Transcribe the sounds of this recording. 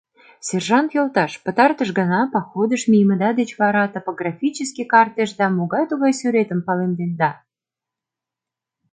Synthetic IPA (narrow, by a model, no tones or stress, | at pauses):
sʲerʒɑnt̪jolt̪ɑʃpə̆t̪ɑrt̪əʃɡənɑpɑxod̪əʃmʲijəməd̪ɑd̪et͡ɕβɑɾɑt̪opoɡrɑfʲit͡ɕəskʲikɑrt̪eʃd̪ɑmoɣɑjt̪uɣɑjsyɾet̪əmpɑlend̪end̪ɑ